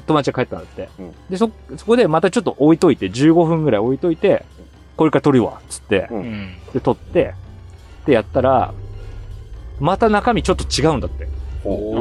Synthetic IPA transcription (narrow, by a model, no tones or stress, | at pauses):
t̪o̞mat͡ɕiɡakaet̪ːãnd̪at̪ːe̞d̪e̞so̞so̞kod̪e̞mat̪at͡ɕo̞t̪ːoʔoit̪o̞it̪e̞d͡ʑɨːɡo̞ɸɯ̟̃ŋɡɯ̟ɾaio̞it̪o̞it̪e̞ | ko̞ɾe̞kaɾat̪o̞ɾʲɯβa̰t͡sɨ̥t̪ːe̞̰t̪e̞t̪o̞t̪ːe̞ | t̪e̞jat̪ːaɾa̰ | mat̪anakamʲit͡ɕo̞t̪ːo̞t͡ɕiɡaɯ̃nd̪at̪ːe̞